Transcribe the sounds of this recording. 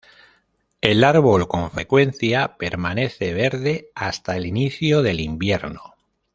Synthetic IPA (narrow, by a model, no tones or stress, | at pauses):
e̞laɾβ̞o̞lko̞ɱfɾe̞kwe̞n̟θjape̞ɾmane̞θe̞β̞e̞ɾðe̞ast̪aeliniθjoðe̞limbje̞ɾno